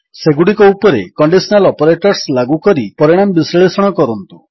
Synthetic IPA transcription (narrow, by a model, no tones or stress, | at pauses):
seɡuɽikɔupɔɾḛkɔɳɖisɔnalɔpɔɾeʈɔɾslaɡukɔɾipɔɾiɽ̃amɔbisɾeɭesɔɽ̃ɔkɔɾɔnt̪u